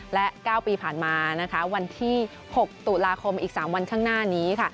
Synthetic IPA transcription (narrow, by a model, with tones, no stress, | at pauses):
lɛ˦˥kaː˥˩wpiː˧pʰaː˨˩nmaː˧na˦˥kʰa˦˥wa˧nt̪ʰiː˥˩ | ho˨˩k̚t̪u˨˩laː˧kʰo˧mʔiː˨˩k̚saː˩˦mwa˧nkʰaː˥˩ŋnaː˥˩niː˦˥kʰa˥˩